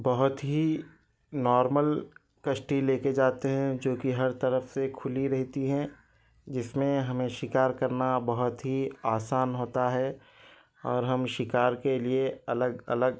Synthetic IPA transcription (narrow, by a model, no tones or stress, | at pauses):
bɐɦʊt̪ɦi | nɔːɾməl | kɐʃʈileːked͡ʒaːt̪eɦɛ̃d͡ʒoːkiɦɐɾt̪ɐɾəfsekʰʊliɾɛɦt̪iɦɛ̃ | d͡ʒɪsmẽɦɐmẽʃɪkaːɾkɐɾnabɐɦʊt̪ɦiaːsaːnɦoːt̪aɦɛ | ɔːɾɦɐmʃɪkaːɾkelieɐləɡɐ̰ləɡ